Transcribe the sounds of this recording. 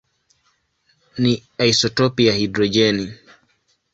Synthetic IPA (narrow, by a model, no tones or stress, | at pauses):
niaisɔtɔpiahidɾɔd͡ʒɛni